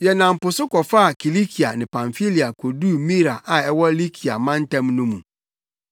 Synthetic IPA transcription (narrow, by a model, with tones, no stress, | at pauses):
jɛ˨nã˨m̩˨pʊ˨sʊ˦kɔ˨fa˦a˨kʰi˨li˦kʰi˨a˨nɪ̃˨pʰã˨ɱfi˦li˨a˨kʰo˨du˦˨mĩ˦ɾa˨ʔa˨ɛ˦wɔ˦li˦kʰi˨a̰˨mã˦n˦tɛ̃˦mnʊ̃˦mũ˨